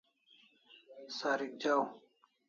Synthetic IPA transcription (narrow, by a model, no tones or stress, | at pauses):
saːɾik̚d͡ʑaːw